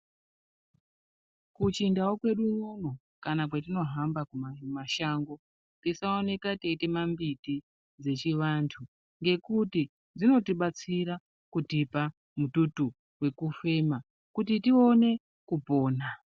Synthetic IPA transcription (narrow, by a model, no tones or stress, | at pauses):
kut͡ʃindawokwe̞ɗununo | kanak̬wet̬ino̞ɦambakumamaʃaːŋɡo̞ | tisaone̞kateite̞mambiti | d͡ze̞t͡ʃiʋantʰu | ŋɡe̞kuti | d͡zino̞tiɓat͡siɾa | kutipa | mututu | we̞kufe̞ma | kutitio̞ne̞ | kupo̞ːna